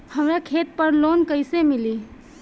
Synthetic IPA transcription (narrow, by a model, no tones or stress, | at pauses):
həmɾakʰet̪̚pəɾloːnkəɪsemɪli